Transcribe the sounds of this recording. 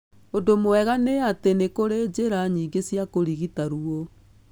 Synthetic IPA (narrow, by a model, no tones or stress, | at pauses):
odomoɛɣaneatenekoɾed͡ʑeɾaɲiːɡesjakoɾiɣitaɾuɔ